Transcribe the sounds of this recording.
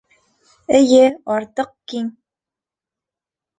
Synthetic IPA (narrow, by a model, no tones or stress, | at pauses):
ɘ̆jɘɒɾt̪ɤq̚kiŋ